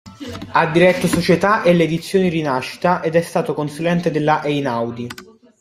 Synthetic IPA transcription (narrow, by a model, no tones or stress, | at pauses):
ad̪ːiɾɛt̪ːosot͡ʃet̪aʔelːeːd̪it̪sːjoːniɾinaʃːi̥t̪aʔed̪ɛst̪aːt̪okonsulɛnt̪ed̪elːaʔɛjnawd̪i